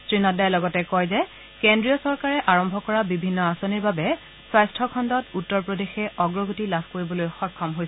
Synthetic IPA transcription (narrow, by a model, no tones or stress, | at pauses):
tɹinadajlɔɡɔtɛkɔjzɛ | kendɹijɔsɔɹkaɹɛʔaɹɔmbʱɔkɔɹabibʱinːɔasoniɹbabɛ | swajstʰɔkʰɔndɔtutːɔɹpɹɔdexɛʔɔɡɹɔɡutilabʱkoɹibɔlojxɔkʰːɔmɦojsɛ